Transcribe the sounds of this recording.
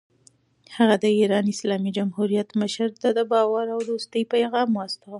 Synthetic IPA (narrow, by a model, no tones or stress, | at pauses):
haɣad̪əiɾɑnɪslɑmid͡ʒamhuɾijat̪məʃəɾd̪əd̪əbɑwaɾawɾost̪əjpajɣɑmuast̪awa